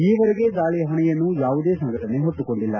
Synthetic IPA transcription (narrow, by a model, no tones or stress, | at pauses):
iːʋɐɾeɡe̞d̪aːɭɛjɐɦɐɳɛjɐnːujaːʋud̪e̞ːsɐŋɡɐʈɐne̞ɦoʈːuko̞ɳɖilːɐ